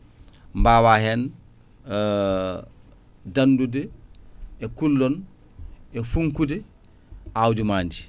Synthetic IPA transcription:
mbawahɛn | dandudɛ | ɛkulːɔn | ɛfuŋkudɛ | awdimaːnd͡ʒi

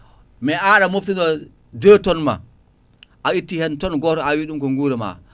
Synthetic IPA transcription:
mɛʔaɗamoftinɔ | dəːtɔnma̰ | ʔaitːihɛntɔnɡɔtɔawiɗumkɔŋɡuːɾɛma̰

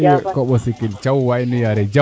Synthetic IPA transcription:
kɔɓɔsikilt͡ʃawwainijaɾɛd͡ʒa

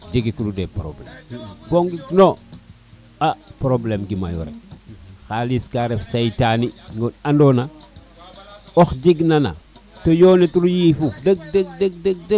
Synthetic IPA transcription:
d͡ʒiɡikududepɾo̰blḛmboŋɡikno | apɾoblemɡima̰jo̰ɾḛxaliskaɾefsajtaniŋɡonandona | oxɟiɡnana̰tojoːnetɾujifudeɡ̚deɡ̚deɡ̚deɡ̚de

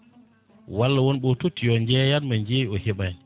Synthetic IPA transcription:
walːawɔnɓɔtotːijɔɲd͡ʒɛjanmaɲd͡ʒejiɔhɛɓan

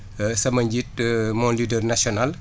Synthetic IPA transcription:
sɐmɐɲɟit̚mɔnlidərnasjɔnal

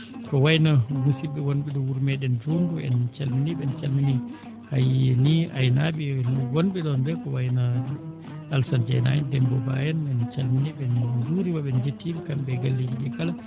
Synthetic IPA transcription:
kɔwajnamusiɓɛwonɓɛɗɔwuɾmɛɗɛnd͡ʒumbuɛ̰nt͡ʃalminiɓɛnt͡ʃalmini | hajieniajnaɓɛlwonɓɛɗɔndɛkɔwajna | alsand͡ʒa̰jna̰jɛndɛmbɔba̰jɛnɛnt͡ʃalminiɓɛnd͡ʒuɾiwaɓɛnd͡ʒetːibkambɛɡalːidiɗɛkala

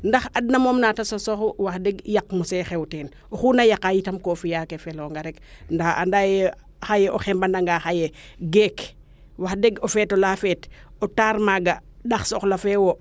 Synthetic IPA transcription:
ndaxad̚namoːmnaːtasosoxuwaxdɛɡjakmusɛxɛwteːn | oxuːnajakajitɐmkofijakefɛlɔŋɡaɾɛkndaxa̰ndajɛ | xajɛʔoxɛmbandaŋɡaxajɛɡɛk | waxdeɡofɛːtolaːfɛːtɔtaɾmaɡaɗaxsɔxlafɛwo

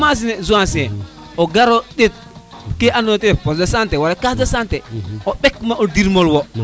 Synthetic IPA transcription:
mas̬inɛzuãsinɛ | oɡaɾoɗet̚ | keʔanotepɔsdasantɛwaɾakasdasantɛobɛkmaodiɾmolwɔ

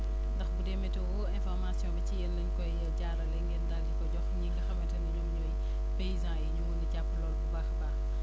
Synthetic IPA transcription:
ndɐxbudɛmɛtɛwɔɛ̃nfɔrmasijɔ̃ːbɛcijɛnːɐɲkɔjjɐɟaɾɐlɛŋɡɛndalikɔɟɔxɲiɡɐxɐmɛtɐniɲɔmɲɔːj | pejizãjiɲuɡundicapːlɔːlbubaxbax

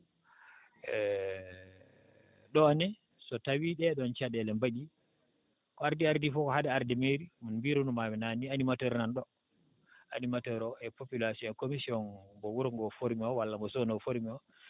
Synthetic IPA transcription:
ɛ | ɗɔnɛ | sɔtawiɗɛɗɔnt͡ʃaɗɛlɛmbaɗi | kɔaɾdiaɾdifɔkɔhadɛaɾdɛmeɾimunmbiɾunumamɛnanianimatɔɾnanɗɔ | ʔa̰nimatɔɾɔʔɛpopilasiɔɛnkomisiɔnbɔwuɾŋɡɔfoɾmiɔwalːamɡɔsonɔfoɾmiɔ

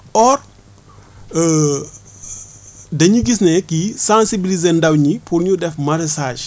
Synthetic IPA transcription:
ʔɔr | dɐɲiɡisnɛkisãnsibilizɛndɐwɲipʰuɾɲudɛfmɐɾɛsaːʃ

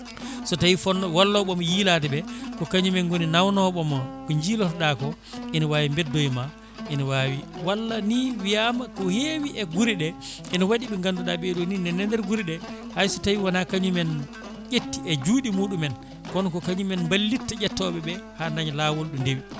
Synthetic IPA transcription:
sɔtajifɔnːɔwalːɔɓɔmɔjiːlatɛbɛkɔkaɲumɛnɡoninawnɔɓɔmɔkɔɲd͡ʒilɔtɗakɔ | ʔinɔwaːwimbɛdːojma | ʔinɔwaːwiwalːaniwijamakɔhewiʔɛɡuɾiɗɛʔinɔwaɗiɓɛŋɡanduɗaɓeɗuninɛnɛndɛɾɡuɾiɗɛ | hajsɔtawiwanakaɲumɛn | ʔetːiɛd͡ʒuːɗimuːɗumɛn | kɔnkɔkaɲumɛnmbalːitːad͡ʒɛtːɔɓɛɓɛhanaɲlawɔlɗundewi

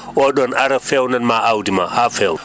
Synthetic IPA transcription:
ɔɗɔnaɾafɛwnanmaʔawdima̰hafɛw

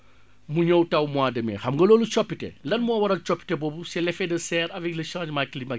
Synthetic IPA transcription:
muɲowtɐwmuwaːdɐmɛ̰xɐmɡɐloːlut͡ʃɔpːitɛ̰lɐnmɔːwɐɾɐlt͡ʃɔpːi̥tɛbɔːbusɛlɛfɛdɐsɛːɾɐvɛklɐʃãːd͡ʒmaklima

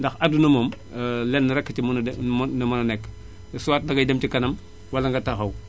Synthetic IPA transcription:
ndɐxɐdunɐmom | lɛnːɐɾɛkːət͡ʃimnnɐmɐnɐnɛkː | suwaːt̚dɐɡɐjdemtikɐnɐm | wɐlɐŋɡɐtɐxɐw

